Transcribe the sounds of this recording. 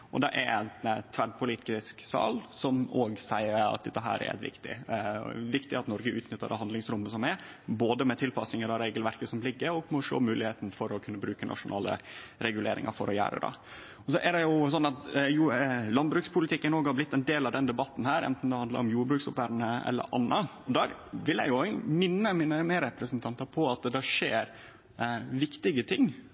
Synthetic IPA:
ʔɔ̰d̪ɛʔɛɾænt̪ʰʋæɖpʰʊliːt̪ɪsksɑ̰ːlsɔmoːɡsæɪəɾɑ̰t̪̚d̪ɛt̪ːəɦæ̰ːɾɛ̰ɾʔæ̰t̪ʋɪ̰kt̪ɪ̰ | ʋɪkt̪ɪɑt̪nɔɾɡəʔʉːt̪nʏt̪ːəɖ̪ɛhɑnd̪lɪŋsɾʊmːəsɔmɛɾ | boːd̪əmɛt̪ʰɪlpɑsɪŋəd̪ɑɾeːɡəlʋæɾkəsɔmlɪɡːəɾɔɡmɛɔʂo̰ːmʉːlɪheːt̪n̩fɔɾɔkʰʉnːəbɾʉːkənʔɑ̰ʂʊnʔɑ̰ːlə̰ɾɛɡʉlḛːɾɪ̰ŋɑ̰ɾfɔɾɔjæ̰ːɾə̰d̪ɑ̰ | ɔsɔʔɛɖɛjʊs̬ɔnːɑt̪julɑnbɾʉːkspʰʊlɪt̪ʰɪkːənoːɡhɑɾblɪt̪ːɛnd̪eːlɑʋd̪ɛnd̪ɛbɑt̪ːn̩hæːɾɛ̰nt̪n̩d̪ɛhɑnd̪ɑ̰ɾɔmjuːɾbɾʉːksʊpʋæːɾnəɛ̰lːə̰ɾʔɑ̰nːɑɔd̪ɑːʋɪljæ̰ɪjʊɛɡmɪnːəmɪnəməɾɛpɾəsnt̪ʰɑnt̪ɑpʰɔɑt̪̚d̪ɛʂeːɾ | ʋɪkt̪ɪɡət̪ʰɪŋː

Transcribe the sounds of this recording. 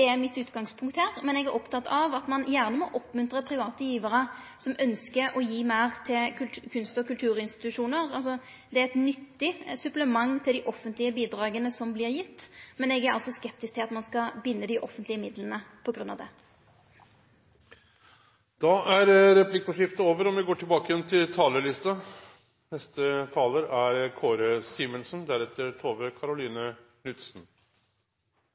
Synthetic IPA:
d̪ɛæʁmɪt̪ʉːt̪ɡɑŋspʰʊŋkt̪hæːʁmɛnɛɡæɾʔɔpt̪ʰɑt̪ːɑʋɑt̪mɑnjæːʁnəmɔʔɔpːmʉnt̪ʁəpʰʁɪʋɑːt̪əjiːʋəʁə | sɔmœnskəɾʔɔjiːmæɪʁt̪ʰɪlkʉkʰʉnst̪ɔkʉlt̪ʰʉːʁɪnst̪ɪ̥t̪ʉʂuːnəʁɑlsɔ | d̪ɛæɛt̪nʏt̪ːɪsʉpləmɑŋːt̪ʰɪld̪ɪʔɔfːənt̪lɪəbiːd̪ɾɑːɡənəsɔmblɪʁjɪt̪ːmɛnɛɡæɾɑ̰lsɔskɛpt̪ɪsk̚t̪ʰɪlɑt̪mɑnskɑbɪnːəd̪ɪʔɔfənt̪lɪəmɪd̪lənəpʰɔɡɾʉnːɑ̰ʋd̪ɛ̰ | d̪̥ɑʔæɾɾɛpʰlɪkːɔʂɪft̪əoːʋəɾɔmʋɪɡoːʈʰɪlbɑːkəjɛnt̪ʰɪlt̪ʰɑːləɭɪst̪ɑ | nɛst̪ət̪ʰɑːləɾæɾkʰoːɾəsiːmɛnsnd̪æɾɛt̪ːəɾt̪ʰoːʋəkʰɑɾʊliːnə | nʏt̪sn

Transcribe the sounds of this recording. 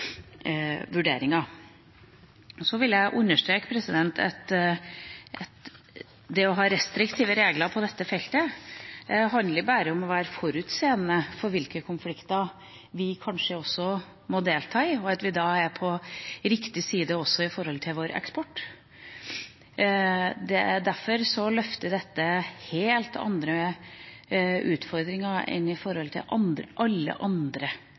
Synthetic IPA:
ʋʉɖḛːɾɪŋɑ | ɔsɔʋɪljæɪʔʉnːəʂʈ̪ɾeːkpʰɾɛsɪd̪ɛnt̪ʰɛ̰t̪ | ʔɛt̪ | d̪ɛɔɦɑːɾɛst̪ɾɪkt̪ʰiːʋəɾeːɡlɑɾpʰɔd̪ɛt̪ːəfɛlt̪ə | ɦɑnd̪əbæːɾəɔmɔʋæːɾfɔɾʉt̪seːnːəfɔɾʋɪlkəkʰʊnflɪkt̪ɑɾ | ʋɪkʰɑnʂəɔsːɔ | mɔd̪eːlt̪ʰɑːɪɔɑt̪ʋɪd̪ɑːæɾpʰɔɾɪkt̪ɪsiːd̪əɔsːɔɪfɔɾhɔlt̪ʰɪlʋoːɾɛ̰kspɔʈː | d̪ɛæd̪æɾfɔɾsɔlœft̪əd̪ɛt̪ːəheːlt̪ʰɑ̰nd̪ɾə | ʉːt̪fɔɾd̪ɾɪŋɑɛ̰nɪfɔɾhɔlt̪ʰɪ̰lʔɑnʔɑlːə̰ʔɑnd̪ɾə

